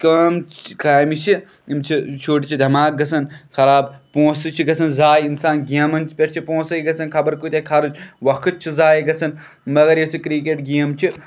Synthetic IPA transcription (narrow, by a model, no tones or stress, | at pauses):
kɐmkaːjmit͡ʃʰi | imt͡ʃʰit͡ʃʰoːʈit͡ʃʰid̪ʱɐmaːk̚ɡɐsɐnkʰɐɾaːbpõːsɨt͡ʃʰiɡɐsɐnzaːjinsaːnɡɐmɐnt͡ʃʰi̥pʲɐʈʰt͡ʃʰipõːsɐjɡɐsɐnkʰɐbɐɾkut̪ekʰɐɾɨt͡ʃʰʋɐkʰɨt̪̚t͡ʃʰizaːjiɡɐsɐn | mɐɡɐɾjesikɾiːk̬eːʈɡiɐmt͡ʃʰi